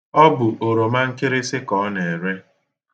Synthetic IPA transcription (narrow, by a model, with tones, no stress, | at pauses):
ɔ˦bʊ˨ʔo˨ɾo˨ma˦ŋ̩˦kɪ˦ɾɪ˦sɪ˦kɔ˨˦ne˨ɾe˦